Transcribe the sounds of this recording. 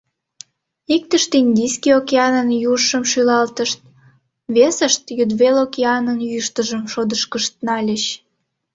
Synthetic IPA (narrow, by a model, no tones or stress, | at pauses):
ik̚t̪əʃt̪inʲd̪ijskʲiokʲeɑnənjuʃəmʃylɑlt̪əʃt̪̚ | βesəʃt̪jyd̪βelokʲeɑnənjyʃt̪əʒəmʃod̪əʃkəʃt̪̚nɑlʲəɕ